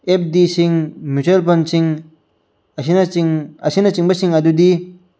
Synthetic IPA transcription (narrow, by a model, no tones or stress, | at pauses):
ɛp̚d̪iɕiŋmyt͡ɕʰelpant͡ɕʰiŋ | ɕinŋaɕinat͡ɕiŋbaɕiŋad̪ud̪i